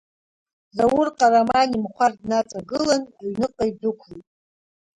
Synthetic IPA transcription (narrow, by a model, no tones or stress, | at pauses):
zawʊrqʼaɾamanimχʷardnat͡sʼaɡɨlanjnɨqʼajd͡zɨkʷʰlujtʼ